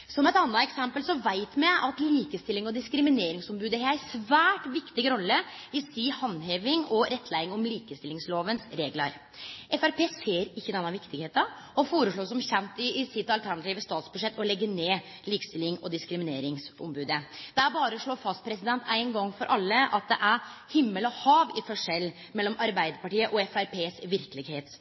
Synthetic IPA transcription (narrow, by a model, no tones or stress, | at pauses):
sɔmɛɪt̪ɑnːɑɛksɛmpəlsɔʋæɪt̪mɛʔɑt̪liːkəst̪ɪlːɪŋɔd̪ɪskɾɪmɪneːɾɪŋsɔmbʉːd̪əhææsʋæːʈʋɪkt̪ɪɡəɾɔlːəɪsiːhɑnːɦeːʋɪŋɔɾɛt̪ːʰlæɪɪŋɔmliːkəst̪ɪlɪŋsloːʋənsɾeːɡlɑɾ | ʔɛfæɾpʰeːseːɾɪçːəd̪ɛnːɑʋɪkt̪ɪɡheːt̪ɑ | ɔfoːɾəʂɭoːsɔmçɛnt̪ɪsɪt̪ɑlt̪ʰæɾɳɑt̪ʰiːʋəst̪ɑːt̪sbʉʂɛt̪ːɔlɛɡːəneː | liːkə̥st̪ɪlːɪŋɔd̪ɪskɾɪmɪneːɾɪŋsɔ̰mbʉːd̪əd̪̥æɾbɑːɾəɔʂɭoːɾfɑspʰɾɛsɪd̪ɛnt̪æɪnɡɑŋːfɔɾʔɑlːəɑt̪̚d̪ɛʔæɾhɪmːəlɔhɑːʋɪfɔʂɛlː | mɛlːɔmɑɾbæɪd̪əɾpɑʈiːəʔɔɛfæɾpʰeːsʋɪɾkəlɪɡheːt̪